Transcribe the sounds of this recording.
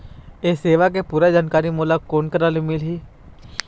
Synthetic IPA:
eːseːʋakepuːɾad͡ʒaːnkaːɾimoːlakoːnkəɾaːlimɪlɦiː

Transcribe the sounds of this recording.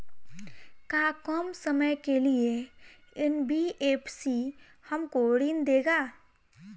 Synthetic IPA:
kaːkɔːmsəməjkelieɪnbʱiʔeːpsi | hɐmkoːɽiːnd̪eːɡaː

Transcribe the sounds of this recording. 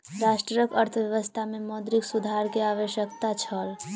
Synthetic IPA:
ɾaːʃʈɾəjəkəɾt̪ʰəʋjəʋəst̪ʰamẽmɔːd̪ɾiksud̪ʱaɾkiaːʋəʃjəkt̪at͡ʃʰəl

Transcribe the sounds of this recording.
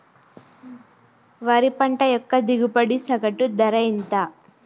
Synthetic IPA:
ʋɐɾipɐɳʈɐjɔkːɐd̪iɡupɐɽisɐɡɐʈud̪ɐɾɐint̪a

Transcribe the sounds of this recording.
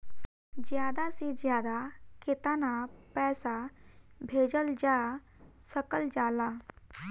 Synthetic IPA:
d͡ʒjaːd̪ased͡ʒjaːd̪aket̪anapɛːsabʱeːd͡ʒəld͡ʒasəkəld͡ʒaːla

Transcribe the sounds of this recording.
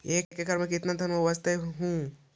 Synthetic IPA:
eːkkːekɐɾmẽk̬ɪt̪nad̪ʱɐnmɐʋɐst̪eɦũ

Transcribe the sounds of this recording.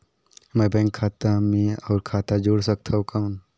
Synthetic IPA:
mɛbɛ̃ːŋkʰːaːt̪amĩɔːɾkʰaːt̪ad͡ʒoːɽsək̚t̪ʰaokaːn

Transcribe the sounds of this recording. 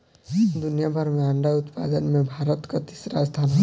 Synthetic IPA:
d̪ʊnjabʱəɾmẽə̃ɳɖaʊt̪pa̰ːd̪ənmẽbʱaːɾət̪kat̪ɪ̥sɾast̪ʰaːna

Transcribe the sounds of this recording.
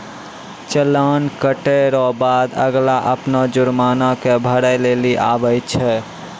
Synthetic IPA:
t͡ʃəlankəʈɛɾɔbad̪ə̰ɡlaʔəpnad͡ʒʊɾmanakebʱəɾəjleliʔa̰bəjt͡ʃʰɛ

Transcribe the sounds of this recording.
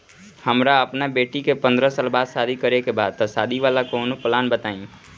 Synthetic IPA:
həmɾaəpnabeːʈikepə̃nd̪ɾəsaːlbaːd̪saːd̪ʱikəɾekebaːd̪̚t̪ɔsaːd̪ʱiʋaːlakoːnoplaːnbət̪aːĩ

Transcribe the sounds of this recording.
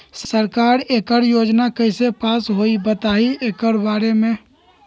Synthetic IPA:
ssəɾkaːɾeːkəɾjoːd͡ʒnakəɪsepaːsɦoːibət̪aːieːkəɾbaːɾemẽ

